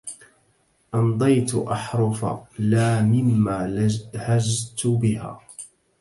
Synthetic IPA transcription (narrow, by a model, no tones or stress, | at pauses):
ʔɑnd̪ˤɑjt̪ʊʔɑħɾˤʊfa̰laːmɪmːaːhad͡ʒt̪bɪha̰ː